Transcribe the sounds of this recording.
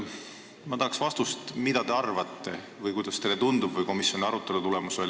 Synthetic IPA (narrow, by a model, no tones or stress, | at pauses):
mɑd̪ɑlɑksvɑst̪ust̪mid̪̥ɑd̪e̞ɑrvɑt̪ːe̞ | vɤjkujd̪̥ɑst̪e̞lːet̪und̪ub̥vɤjko̞misjo̞niɑɾut̪ːˑe̞lut̪ule̞muso̞lʲ